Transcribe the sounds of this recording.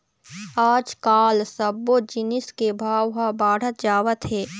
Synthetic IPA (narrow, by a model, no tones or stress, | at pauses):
aːd͡ʒkaːlsəbːod͡ʒɪnɪskebʱaːwɦabaːɽ̤ət̪d͡ʒaːʋət̪ɦeː